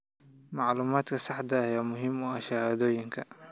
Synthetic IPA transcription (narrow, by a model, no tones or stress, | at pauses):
mɑʕlʊːmaːd̪kʰɐsɑħd̪ɐjaːmʊɦɪmʊaʃɐhaːd̪oːjɪŋkʰɐ